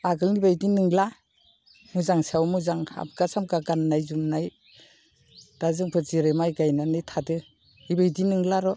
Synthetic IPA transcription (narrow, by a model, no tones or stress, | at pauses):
aɡɯlnibajdinɯŋla | muzaŋsawmuzaŋa̰bɡasamkaɡanːajzumnaj | d̥azɯŋpʰɯziɾemajɡajnanɯjtʰadɯ | ibajdinɯŋlaɾɔ